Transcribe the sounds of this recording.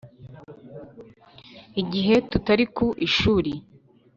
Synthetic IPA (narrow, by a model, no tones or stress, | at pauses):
iɟiɦe̞tutaɾikuʔiʃuːɾi